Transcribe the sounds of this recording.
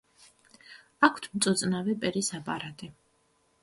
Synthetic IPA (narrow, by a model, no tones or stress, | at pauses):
akʰt̪ʰmt̪sʼɔt̪sʼnavɛpʼɛɾisapʼa̰ɾat̪ʼi